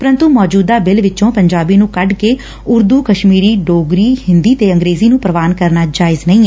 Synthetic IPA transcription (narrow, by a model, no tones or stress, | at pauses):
pəɾə̃nt̪umɔːd͡ʒuːd̪aːbɪlʋɪt͡ʃõːpəɲd͡ʒaːbiːnũːkəɖkeː | ʊɾd̪uːkəʃmiːɾiːɖoːɡɾiːhɪnd̪iːt̪eːəŋɡɾeːziːnũːpɾəʋaːnkəɾnaːd͡ʒaːɪznəĩːɛ